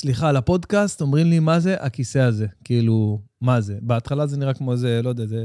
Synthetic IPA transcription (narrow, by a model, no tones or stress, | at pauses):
sliχalapo̞d̪kast̪o̞mʁimlimaze̞ʔakise̞aze̞kiilumaze̞beat̪χalazeniʁakmo̞zelo̞jd̪eaze